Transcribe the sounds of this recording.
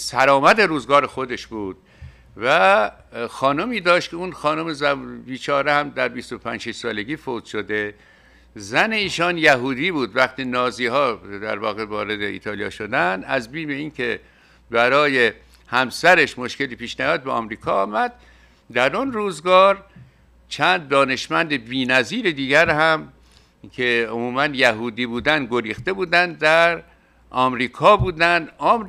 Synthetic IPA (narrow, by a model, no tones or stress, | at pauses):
sæɾɒːmæt̪eɾuːzɡɒːɾexo̞d̪e̞ʃbuːd̪̥̚ | væ | xɒːnomiːd̪ɒːʃt̪̚kʰeunxɒːnomezæbiːt͡ʃʰɒːɾehæmd̪æɾbist̪o̞pʰænd͡ʒʃiʃsɒːle̞ɡʲiːfot̪ʃod̪e | zæneiːʃɒːnjæɦuːd̪iːbuːd̪væχt̪ʰiːnɒːziːɦɒːd̪æ̰ɾvɒːɣevɒːɾe̞d̪eḭːt̪ʰɒːlijɒ̰ːʃod̪ænæzbiːme̞iːnkʲʰe̞ | bæɾɒːje̞ | hæmsæɾeʃmo̞ʃke̞liːpʰiːʃnæjɒːd̪̚beʔɒ̰mɾiːkʰɒːmæd̪̥̚ | d̪æɾunɾuːzɡɒːɾ | t͡ʃʰænd̪̚ːɒːne̞ʃmænd̪ebiːnæziːɾed̪iːɡæɾhæm | kʰeomuːmænjæɦuːd̪iːbuːd̪ænɡoɾiːxt̪e̞buːd̪ænd̪d̪æɾ | ʔɒːmɾiːkʰɒːbuːd̪ænd̪ɒːm